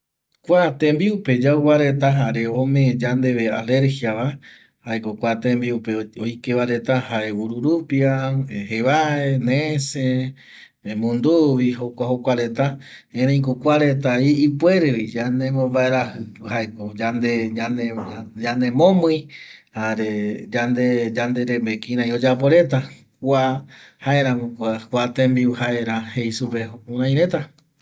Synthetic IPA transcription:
kʷat̪ẽmbiupe̞d͡ʒauwaɾe̞t̪aɦaɾeomẽd͡ʒand̪e̞βea̰le̞ɾhiaβa | haekokʷat̪ẽmbiupeojkeβaɾe̞t̪ahaewuɾuɾupiaheβae̞nese | ẽmũnd̪uβiɦokʷahokʷaɾe̞t̪a | ẽɾẽj̃kukʷaɾet̪̬aiːpweɾeid͡ʒanemõmbaeɾahɨhaekod͡ʒand̪eaned͡ʒanemõmɨ̃jhaɾed͡ʒand̪ed͡ʒand̪eɾemekĩɾãj̃od͡ʒapoɾe̞t̪akʷahaeɾãŋõkʷakʷat̪ẽmbiuhae̞ɾahejsupehouɾãj̃ɾẽ̞t̪a

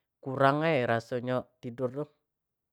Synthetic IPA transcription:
kuɾaŋeɾasoɲɔt̪idʊrdɔ

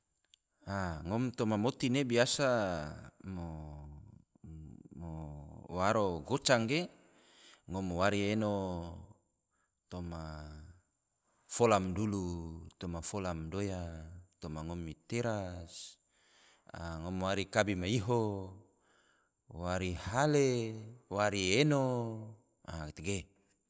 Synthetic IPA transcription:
aŋɔmt̪omamot̪inebiasa | mo | mowaɾoɡot͡ʃaŋɡe | ŋɔmowaɾieno | t̪oma | folamdulut̪omafolamdojat̪omaŋɔmːit̪eɾas | a̰ŋomowaɾikabimaiɦo | waɾihalewaɾieno | akt̪eɡe

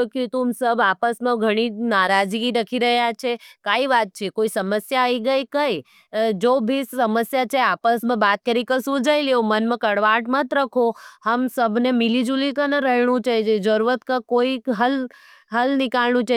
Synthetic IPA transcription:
kit̪umsəbapəsmãɡʱəɽ̃inaɾad͡ʒɡiɾəkʰiɾəɦjat͡ʃʰekaiʋat̪̚t͡ʃʰekoisəməsjaəiɡəikəi | d͡ʒobʱisəməsjat͡ʃʰeapəsmãbat̪̚kəɾikəsud͡ʒajleomənmãkəɽʋaʈmə̃t̪ɾəkʰohəmsəbʱnemilid͡ʒulikənəɾəɦiɳ̃ũt͡ʃaid͡ʒed͡ʒəɾuɾət̪kəkoiɦəl | ɦəlnɪkalnũt͡ʃa

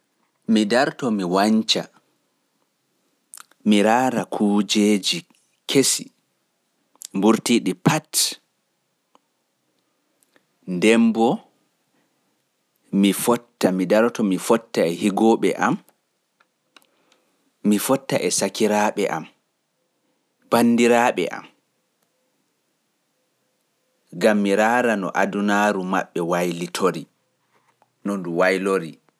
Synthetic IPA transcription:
midaɾtɔmiwaɲt͡ʃa | miɾaːɾakʰuːd͡ʒed͡ʒi | kʰesi | mbuɾtiːɗipat | ndɛmbɔ | mifɔtːamidaɾtɔmifɔtːaɛhiɡɔɓɛ̰ʔam | ifɔtːaʔɛsakiɾaɓɛ̰ʔa̰m | b̥anːdiɾaɓɛ̰ʔa̰m | ɡamːiɾaːɾanɔ̰ʔadunaːɾuma̰ɓːɛwajlitʰoɾi | nɔnduwajloɾi

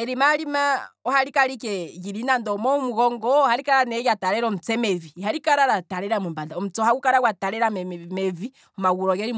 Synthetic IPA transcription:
ɛɾimaɾimaɔhaɾikaɾikɛɣiɾinandɔmɔmuɣɔŋɡɔhaɾikaɾanɛjataɾɛɾɔm̩t͡sɛmɛvihaɾikaɾaɾataɾɛɾamumbadaɔm̩ut͡sɔhaɡukaɾawataɾɛɾamɛmɛvi | ɔmaɣuɾɔɡɛɾi

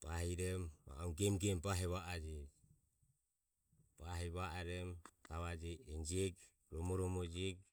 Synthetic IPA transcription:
paɦiɾɛma̰uŋɡɛmɡɛmpaɦɛβaad͡ʒɛ | paɦɛβaaɾɛmt̪aβad͡ʒɛɛnd͡ʒɛɡ | ɾɔmɔɾɔmɔd͡ʒɛɡ̚

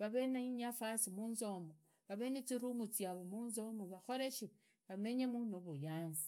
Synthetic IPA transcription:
βaβenaiɲafasimuːnzomo | βaβenet͡siɾumut͡siaβomuːnzomoβaxoɾeʃi | βame̞ɲemunoβujaːnzi̥

